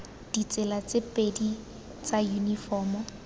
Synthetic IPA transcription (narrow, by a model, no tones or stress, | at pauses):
d̥it͡sʼɪlat͡sʼɪpʼedi | t͡sajunifɔːmɔ